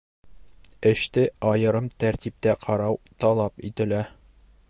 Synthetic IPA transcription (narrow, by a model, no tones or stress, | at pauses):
ɘ̆ɕt̪ɘɒjɤ̆ɾɤmt̪æɾt̪ip̚t̪æqʰɒɾɑwt̪ɒlˠɑpit̪ɘ̆læ